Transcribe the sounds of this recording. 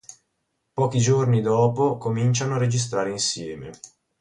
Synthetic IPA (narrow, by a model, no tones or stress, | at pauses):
pɔːkid͡ʒornid̪ɔːpokomint͡ʃanoared͡ʒis̬t̪ɾaːɾeinsjɛːmḛ